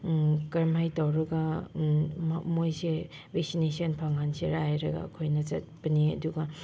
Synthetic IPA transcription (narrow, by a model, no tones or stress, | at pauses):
kɐɾmajtawɾɐɡɐ | mmojse | beksinesiɐnpʰaŋanseɾajɾɐɡa̰ɐ̰kʰojnɐt͡ʃɐt̚b̥ɐniɐ̰duɡɐ